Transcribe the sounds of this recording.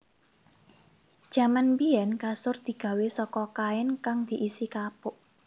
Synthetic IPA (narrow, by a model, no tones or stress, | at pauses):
d̥ʒ̥a̤manpiɛnkasʊrd̪̥i̤ɡ̥a̤wesɔkɔkaɛnkaŋd̪̥i̤ʔisikapʊʔ